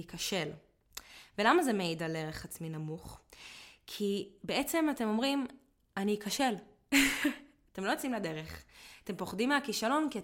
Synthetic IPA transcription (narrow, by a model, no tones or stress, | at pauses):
ikaʃe̞l | velamazemeidaleʁeχat͡sminamuχ | kʰibeet͡se̞mate̞mo̞mʁim | anikaʃe̞l | ate̞mlo̞jot͡simlade̞ʁeχate̞mpo̞χdimːeakiʃalo̞nkia